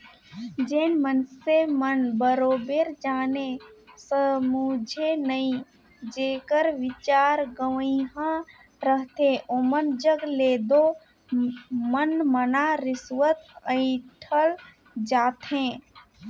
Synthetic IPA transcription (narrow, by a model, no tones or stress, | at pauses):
d͡ʒeːnmənsemənbəɾoːbeɾd͡ʒaːnesəmud͡ʒʱenəĩ | d͡ʒeːkəɾʋɪt͡ʃaːɾɡəʋəiɦã | ɾəɦt̪ẽʔomənd͡ʒəɡleːd̪o | mənmənaɾɪsʋət̪ə̃ɪ̃ʈʰəl | d͡ʒaːt̪ɦẽ